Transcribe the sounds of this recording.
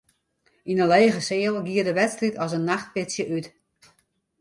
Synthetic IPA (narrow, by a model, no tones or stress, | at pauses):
inənleːɣəsɪəlˠɡiədəʋɛtstritʰɔsənːaxt̚pɪtsjəʔyt